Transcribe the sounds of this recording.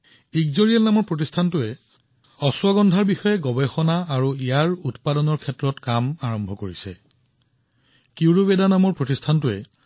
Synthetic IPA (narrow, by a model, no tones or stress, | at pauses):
ikzoɹijalnamɔɹpɹotistʰantʊɛ | ɔswaɡɔndʱaɹbixɔjɛɡɔbexɔnaːɹuijaɹutpadɔnɔɹkʰɛtːɹɔtkamaɹɔmbʱɔkoɹisɛ̰ | kiwɹobedanamɔɹpɹotistʰantʊɛ